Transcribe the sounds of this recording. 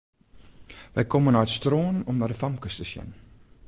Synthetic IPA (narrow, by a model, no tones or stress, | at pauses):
ʋəjkɔmənaːətstroːnɔmnaːdəfɐmkəstəsjɛ̰n